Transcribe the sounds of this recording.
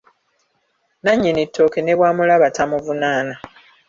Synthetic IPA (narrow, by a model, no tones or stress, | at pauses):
naɲːinitʰːo̞kene̞βwaːmulaβatʰamuvunaːna